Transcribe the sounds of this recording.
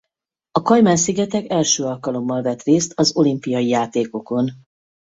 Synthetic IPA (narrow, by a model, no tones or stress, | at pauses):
ɒkɒjmaːnsiɡɛt̪ɛkɛlʃøːɒlkɒlo̞mːɒlvɛt̪reːst̪ɒzo̞limpijɒjijaːt̪eːko̞ko̞n